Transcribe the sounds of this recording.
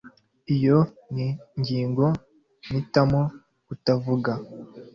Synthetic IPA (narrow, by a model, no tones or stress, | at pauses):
ijo | niɲɟiːŋɡo̞ | nitamo | utavuɡa